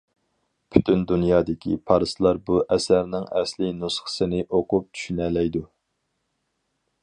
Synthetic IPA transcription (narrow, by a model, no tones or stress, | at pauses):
pʰy̥t̪ʰynd̪unjɑːd̪ɪkʲḭpʰɑɾɨslˠɑɾbuʔɛsæɾnɪŋɛ̰slɪnusχə̥sɨnɪʔoqʊp̚t͡ʃ̪ʰy̥ʃynɛlɛjd̪u